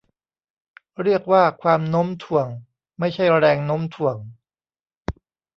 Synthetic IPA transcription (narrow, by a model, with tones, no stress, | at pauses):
ɾi˥˩ək̚waː˥˩kʰwaː˧mno˦˥mt̪ʰu˩˦əŋ | ma˥˩jt͡ɕʰa˥˩jɾɛː˧ŋno˦˥mt̪ʰu˨˩˦əŋ